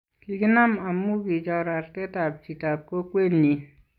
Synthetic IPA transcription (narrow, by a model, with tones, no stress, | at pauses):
ki˨ɡi˦na˦ma˨mːu˦bi˨d͡ʒa˨ɾa˨ɾte˦ta˨b̚t͡ʃi˨ta˨p̚ko˦kʷe˦nːi˨